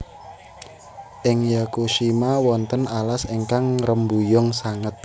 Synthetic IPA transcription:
ʔɪŋjakuʃimawɔnt̪ənalaseŋkaŋrəmbujɔŋsaŋət̪̚

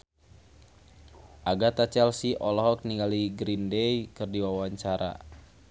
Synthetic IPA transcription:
ʔaɡat̪at͡ʃɛlsiʔɔlɔɦɔk̚niŋɡaliɡɾindɛjkɨrdiwawaɲt͡ʃaɾa̰

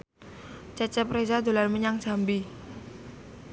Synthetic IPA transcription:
t͡ʃɛt͡ʃɛpɾezad̪o̤lanməɲaŋd͡ʒ̥ambi

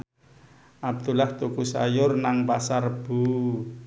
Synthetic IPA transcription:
ʔab̚d̪̥ulaht̪ukusa̰jʊrnaŋpasarb̥u

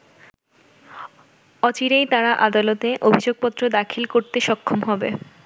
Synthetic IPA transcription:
ɔt͡ɕiɾejt̪aɾaʔad̪alot̪eʔobʱid͡ʑoɡ̚pɔt̪ːɾod̪akʰilkoɾt̪eʃɔkʰːomɦɔbe

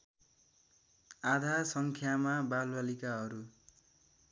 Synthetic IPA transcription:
ad̪ʱasʌŋkʰjamabalwalikaɦʌɾu

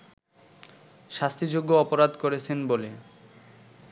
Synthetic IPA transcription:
ʃast̪ʰid͡ʑoɡːoɔpoɾad̪koɾet͡ɕʰenbole

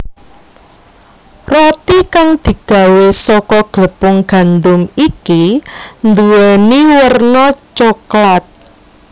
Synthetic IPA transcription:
rɔt̪ikaŋd̪̥i̤ɡ̥ä̤wesɔkɔɡ̥ləpʊŋɡ̥a̤nd̪ʊmikind̪uwɛniwərnɔt͡ʃoklat̪̚

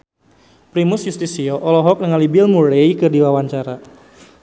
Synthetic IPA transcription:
pɾimʊsjust̪isiɔʔɔlɔɦɔk̚nəŋalibɪlmuɾeikɨrdiwawaɲt͡ʃaɾa

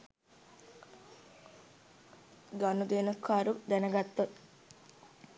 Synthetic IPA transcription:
ɡanud̪eːnɐkʰːaːɾud̪ænəɡat̪ːot̪

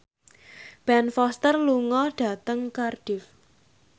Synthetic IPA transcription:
b̥ɛnfɔst̪ərluŋɔɖ̥a̤t̪əŋkarɖ̥ɪf

